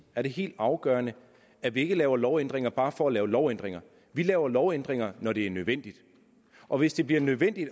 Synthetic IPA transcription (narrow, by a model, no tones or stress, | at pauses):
æɐɾe̝ɦe̝̰ːld̥ɑ̈ʊɡ̥ɶːɐnə | æʋie̝ɡ̥əlɛːʊɐlɒʊend̥ʁeŋɐb̥ɑ̈ːfɒ̽ælɛːʊlɒʊen̰d̥ʁeŋɐ | ʋilɛːʊɐlɒʊend̥ʁeŋɐnɒɾ̥e̝æɐnøðˠʋen̰d̥id̥ | ʔɒ̽ʋe̝sd̥e̝b̥liɐnøð̞ˠʋen̰d̥id̥